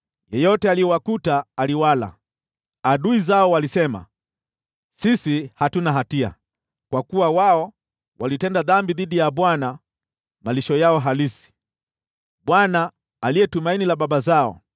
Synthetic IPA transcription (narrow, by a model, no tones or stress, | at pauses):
jɛjɔtɛalijɛwakutaːliwala̰ | aɗuizaɔwalisɛma̰ | sisihatunaɦatia̰ | kwakuwawaɔ | walitɛndaðambiðiɗijaɓwana | maliʃɔjaɔɦalisi̥ | ɓwanaː | liɛtumainilaɓaɓazaɔ̰